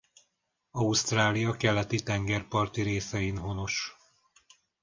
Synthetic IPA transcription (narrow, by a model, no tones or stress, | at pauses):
ɒust̪raːlijɒkɛlɛt̪it̪ɛŋɡɛrpɒrt̪iɾeːsɛjinɦo̞no̞ʃ